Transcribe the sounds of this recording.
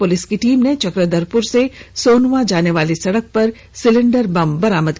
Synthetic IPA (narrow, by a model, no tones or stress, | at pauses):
pʊlɪskiʈiːmnet͡ʃɐkɾəd̪əɾpʊɾsesoːnʋãd͡ʒaːneʋaːlisɐɽək̚pɐɾ | sɪlɪ̃ɳɖəɾbɐmbɐɾaːməd̪